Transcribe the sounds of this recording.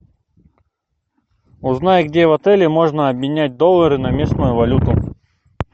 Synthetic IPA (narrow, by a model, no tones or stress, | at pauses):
ʊznajəɡdʲevɐt̪ɛlʲɪmo̞ʐnəɐbmɪnʲæt̚ʲd̪olˠːəɾɨnɐmʲe̞snʊjʊvɐlʲut̪ʊ